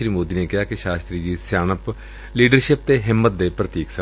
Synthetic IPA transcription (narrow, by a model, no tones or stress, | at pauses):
ɾiːmoːd̪iːneːkɪɦaːkɪʃaːst̪ɾiːd͡ʒiːsjaːnəp | liːɖəɾʃɪp̚t̪eːɦɪmːət̪̚d̪eːpɾət̪iːksə